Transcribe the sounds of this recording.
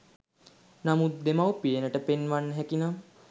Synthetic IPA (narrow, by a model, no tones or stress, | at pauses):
namut̪̚d̪emawpienəʈəpenʋanːəɦɛkinam